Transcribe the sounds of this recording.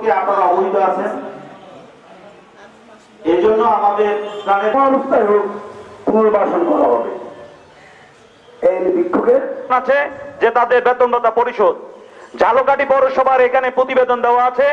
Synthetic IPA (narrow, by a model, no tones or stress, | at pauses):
keapaɾɔboɦit̪oat͡ɕʰen | ed͡ʑonːoamad̪eɾkaɾeɔɾost̪ʰaɦokuɾbaʃonbɔlaɦɔ̰bḛ | ebikʰːoɡeɾnat͡ɕʰed͡ʑet̪ad̪eɾbɛt̪onɖot̪apoɾiʃod̪̚d͡ʑʱalokaʈipɔɾoʃɔbʱaɾekʰanepɾot̪ibed̪ond̪eoaat͡ɕʰe